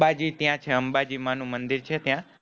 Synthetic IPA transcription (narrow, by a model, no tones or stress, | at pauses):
bad͡ʒit̪jãt͡ʃʰeəmbad͡ʒimanũmənd̪iɾt͡ʃʰet̪jã